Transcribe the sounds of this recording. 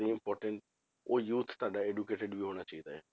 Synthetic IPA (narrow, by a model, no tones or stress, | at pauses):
iːɪmpɔːɾʈə̃ɳʈ | oːjuːt̪ʰt̪oaːɖaːeːɖukeːʈəɖʋiːɦoːɽ̃aːt͡ʃaːiːd̪aːɛː